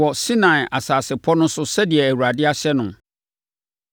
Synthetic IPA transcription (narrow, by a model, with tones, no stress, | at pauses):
ɔ˨si˦nã˨ɪ˨ʔa˨saː˨sɪ˨pʰɔ˦nʊ̃˦sʊ˦sɛ˦di˨ɛ˨æ˨wu˨ɾa˨dɪ˦a˦ɕɛ˦nʊ̃˨